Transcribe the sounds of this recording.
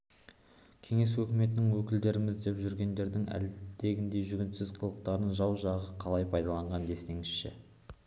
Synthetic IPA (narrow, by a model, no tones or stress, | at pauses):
kʲʰe̞ŋe̞swɵkʲɪme̞t̪̬ɪnɪŋwɵkʲɪld̪e̞ɾɪmɪzd̪e̞pʒʏɾɡʲe̞nd̪e̞ɾd̪ɪŋæ̰ld̪e̞ɡʲɪnd̪e̞ʒʏɡʲɪnt̪sɪzqʰəlˠəq̚t̪ɑɾənʒɑwʒɑʁəqʰɑlˠɑjpʰɑjd̪ɑlˠɑɴʁɑnd̪e̞st̪e̞ŋɪsʃɪ̰